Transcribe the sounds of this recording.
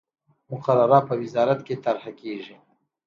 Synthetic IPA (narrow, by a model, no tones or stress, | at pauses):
mʊqaɾaɾapəwɪzɑːɾat̪ket̪aɾhakeːʒi